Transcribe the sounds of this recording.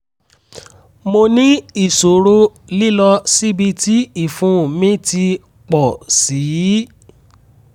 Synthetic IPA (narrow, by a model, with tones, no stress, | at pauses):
mo˧nĩ˦i˦˨so˨ɾo˦ | li˦lɔ˧si˦bi˧ti˦i˦˨fũ˨˦˨mĩ˦ti˧ | k͡pɔ˨si˨˦